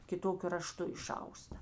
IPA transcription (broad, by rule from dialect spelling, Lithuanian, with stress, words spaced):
kʲɪˈtoːkʲʊ rɐˈʃtʊ ɪˈʃɐʊstɐ